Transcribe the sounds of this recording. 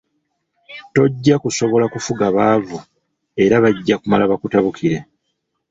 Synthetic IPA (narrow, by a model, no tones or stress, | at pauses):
to̞ɟːakuso̞βo̞lakufuɡaβaːvu | e̞ɾaβaɟːakumalaβakutaβukiɾe